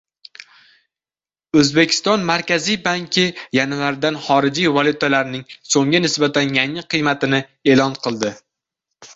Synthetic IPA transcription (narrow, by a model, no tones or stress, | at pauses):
ɵzbekʲʰɪ̥st̪ɒnmaɾkʲʰazijbaŋkʲʰɪjanvaɾd̪anχɒɾɪd͡ʒijvɒlˠut̪ʰalaɾnɪŋsoŋɡʲanɪsbat̪ʰanjaŋɪqʰɨjmat̪ɪnɪe̞lɒnqʰɨlˠd̪ɪ